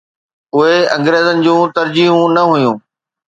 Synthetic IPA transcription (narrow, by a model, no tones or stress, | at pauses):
ʊɦeɐ̃ŋɡɾeːzənɪ̆d͡ʑũːt̪ɐɾd͡ʑiːɦũnɐɦʊjũː